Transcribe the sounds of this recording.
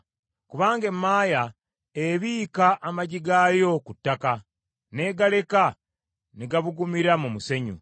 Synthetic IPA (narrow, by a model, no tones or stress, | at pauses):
kuβaːŋɡe̞mːaːja | eβiːkaʔːmaɟiɡaːjo̞kutːaka | ne̞ːɡale̞ka | niɡaβuɡumiɾamumuse̞ɲṵ